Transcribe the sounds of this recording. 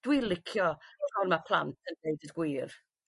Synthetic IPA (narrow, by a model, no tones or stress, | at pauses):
d̥wilˠɪkʰjɔtɔrmapʰl̥ˠantʰəndeɨdədɡwiːr